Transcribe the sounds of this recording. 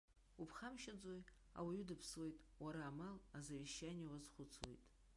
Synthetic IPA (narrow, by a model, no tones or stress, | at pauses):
upʰχamʃad͡zʼoj | a̰wajudɨpʰswe̞jtʼwaɾaːmalazaviʃːaniawazχʷʊt͡sʰwḛjtʼ